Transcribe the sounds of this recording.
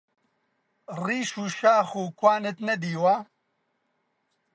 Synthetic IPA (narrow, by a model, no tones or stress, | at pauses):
riːʃuːʃaːxuːkwaːnɨt̪nɛd̪iːwa